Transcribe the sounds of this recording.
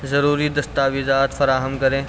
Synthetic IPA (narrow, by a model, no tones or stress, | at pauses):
zɐɾuːɾid̪ɐst̪aːʋizaːt̪fɐɾaːɦəmkɐɾẽː